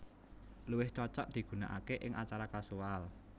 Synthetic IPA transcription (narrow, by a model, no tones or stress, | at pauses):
luwɪht͡ʃɔt͡ʃɔʔd̪̥i̤ɡ̥ṳnaʔa̰keʔɪŋʔat͡ʃaɾakasual